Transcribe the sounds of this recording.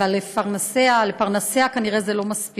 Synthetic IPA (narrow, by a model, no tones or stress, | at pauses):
valːefaʁnasealepaʁnaseakaniʁezelo̞maspi